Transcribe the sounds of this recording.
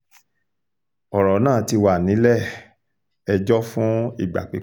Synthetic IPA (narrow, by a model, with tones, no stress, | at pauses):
ɔ˨ɾɔ˨˦nã˦˨˦ti˧wa˨nĩ˨˦lɛ˦˨ | ɛ˧d͡ʒɔ˦fũ˦ḭ˦˨ɡ͡ba̰˨k͡pe˨˦